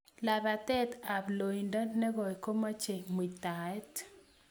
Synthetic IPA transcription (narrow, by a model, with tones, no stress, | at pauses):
la˨ða˨tɛ˦ta˨blo˨i˨nda˦nɛ˦ɣɔ˨i˨ko˦ma˦t͡ʃe˨mi˨ta˨ɛ˦t